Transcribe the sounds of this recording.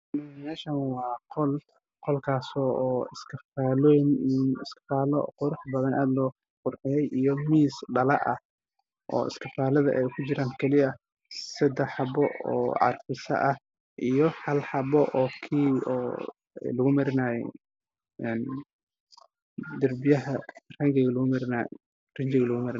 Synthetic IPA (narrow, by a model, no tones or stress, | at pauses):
mɛːʃɐnwɑːqɔl | qɔlkʰaːsɔːɪskʰɐfaːlɔmnɪskɪ̥faːlɔqʊɾʊħbɐðɐnʔa̰ːd̪lɔː | qʊrħɪjɛjʔijɔmiːsɖɐlɐʔɐ̰ | ʔɔ̰ːɪ̰skʰɪfaːlɐðɐ̰ʔɛjkʰʊt͡ʃɪɾaːŋkʰɛlɪɐ | sɐd̪ɛħɑbɔʔɔ̰ːʕɑ̰rfɪsɐ̰ʔɐh | ʔijɔhɐlħɑbɔʔɔːkʰiːɔ̰ː | jlʊɣʊmɐɾɪnaːjɛ̰ | ɛn | d̪ɐrbɪjɐɦɐrɐŋɡɛɣɐlʊɣʊmɐɾɪna̰ | rɪnt͡ʃɪɣɐlʊɣʊmɐɾɪ